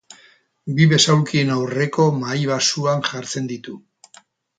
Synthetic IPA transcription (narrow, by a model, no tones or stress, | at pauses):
biβe̞sawlkie̞nawre̞ko̞majβasuanʝaɾt͡se̞nd̪it̪u